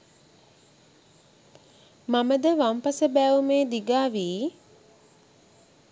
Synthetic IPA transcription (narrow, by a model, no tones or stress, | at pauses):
maməd̪əʋampasəbæːʋumeːd̪iɡaːʋiː